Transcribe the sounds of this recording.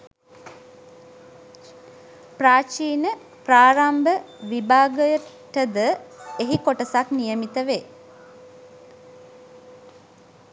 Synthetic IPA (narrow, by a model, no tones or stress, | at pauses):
praːt͡ʃiːnə | praːɾambə | ʋibaːɡəjə | ʈəd̪əeɦikoʈəsaknijəmit̪əʋeː